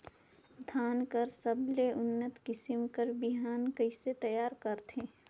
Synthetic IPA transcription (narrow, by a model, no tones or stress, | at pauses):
d̪ʱaːnkəɾsəbleʔʊnːət̪kɪsɪmkəɾbɪɦaːnkəɪset̪ɐjaːɾkəɾt̪ɦẽː